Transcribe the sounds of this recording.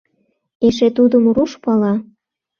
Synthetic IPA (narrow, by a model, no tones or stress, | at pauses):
eʃet̪ud̪əmruʃpɑlɑ